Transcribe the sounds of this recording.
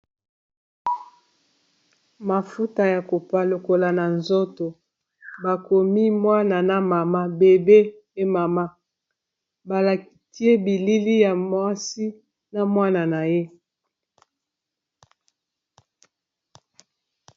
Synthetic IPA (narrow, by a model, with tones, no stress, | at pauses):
ma˨fu˦ta˨ja˨ko˨pa˨lo˨ko˨la˨na˨nzo˦to˨ | ba˨ko˨mi˦mwa˦na˨na˦ma˨ma˦be˨be˦ | e˦ma˨ma˦ | ba˨la˨ki˨ti˦e˦bi˨li˦li˦ja˨mwa˦si˦ | na˦mwa˦na˨na˨je˦